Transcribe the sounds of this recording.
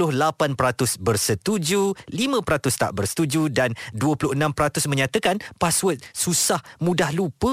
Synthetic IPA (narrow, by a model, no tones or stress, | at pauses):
ʊhlapanpəɾat̪ʊsbərsət̪ud͡ʒulimə̃pəɾat̪ʊst̪a̰ʔbərsə̥t̪ud͡ʒudanduəpulʊhənãmpəɾat̪ʊsmə̃ɲat̪əkanpaswət̪̚susahmũdahlupə